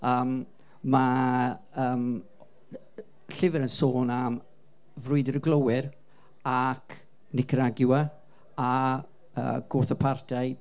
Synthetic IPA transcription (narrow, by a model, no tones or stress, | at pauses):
əːmː | a | əːm | ɬɪvəɾənsoːnam | vrʊɨdɪɾəɡlˠəwɪr | akʰ | nɪkʰəɾaɡjʊa | a | ə̰ːɡ̥oːθəpʰartʰajd̥